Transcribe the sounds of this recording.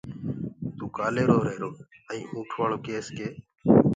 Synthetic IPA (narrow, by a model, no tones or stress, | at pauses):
t̪uːkaːleːɾoːɾeːɾoː | əĩːʔũːʈʰʋaːɳoːkeːskeː